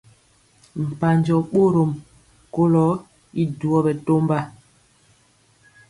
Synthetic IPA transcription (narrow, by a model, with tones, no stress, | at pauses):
m̩˨pa˨ɲd͡ʒɔ˨ɓo˦ɾo˨m | ko˦lɔ˨˦ | i˦du˨ɔ˦bɛ˨to˦mba˦˨